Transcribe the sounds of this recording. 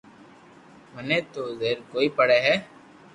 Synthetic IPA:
məneːt̪oːzeɾkoːipəɽeɦɛː

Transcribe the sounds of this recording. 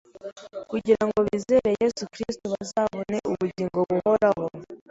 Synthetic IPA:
kuɟiɾaŋɡo̞βiːze̞ːɾe̞jezukɾistoβazaːβone̞ʔuβuɟiːŋɡoβuho̞ɾaɦo

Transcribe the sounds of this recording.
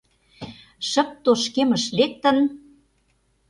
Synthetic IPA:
ʃə̆p̚t̪oʃkemə̆ʃlek̚t̪ə̆n

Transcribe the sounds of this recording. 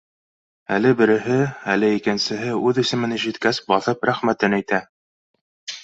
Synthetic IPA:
ælɘbɘ̆ɾɘ̆ɦɘælɘikɘ̆nsɘ̆ɦɘʉðɘ̆sɘ̆mɘ̆nɘʒit̪kæsbɑθɤpɾæχmæt̪ɘnæjt̪æ

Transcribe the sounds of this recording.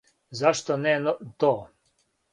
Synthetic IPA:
zaʃt̪ɔnɛt̪oː

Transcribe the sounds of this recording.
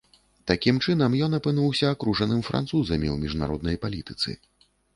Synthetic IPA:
t̪akʲimt͡ʂɨnɐmjɔnɐpɨnuwsʲɐːkɾuʐɐnɨmfɾʔa̰nt̪suzɐmʲḭwmʲiʐna̰ɾɔd̪nɐjpalʲit̪ɨ̥t̪sɨ̰

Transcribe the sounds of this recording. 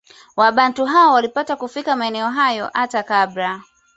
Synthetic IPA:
waɓantuɦaɔwalipatakufikamaɛnɛɔɦajɔ̰ʔatakabɾa

